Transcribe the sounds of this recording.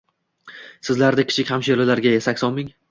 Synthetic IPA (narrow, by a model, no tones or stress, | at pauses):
sɪzlaɾd̪ɪkʲʰɪ̥t͡ʃʰɪkʲhamʃelɪlaɾɡʲajesakʲsɒnmɪŋ